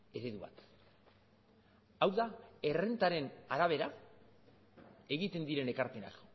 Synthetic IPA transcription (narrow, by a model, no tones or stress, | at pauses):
e̞ɾe̞ðuβa̰t̪ | awðae̞re̞nt̪aɾe̞naɾaβ̞e̞ɾa | e̞ɣit̪e̞nd̪iɾe̞ne̞kaɾpena̰k